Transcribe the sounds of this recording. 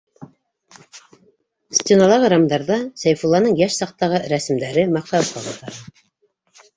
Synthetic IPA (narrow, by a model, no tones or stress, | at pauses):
st̪ʲenɑlˠɑʁɤɾɑmd̪ɑɾðɑsæjfulˠːɑnɤɴjæʃsɑq̚t̪ɑʁɤɾæsɘ̆md̪æɾɘmɑq̚t̪ɑwqɑʁɑt̪ɑɾɑ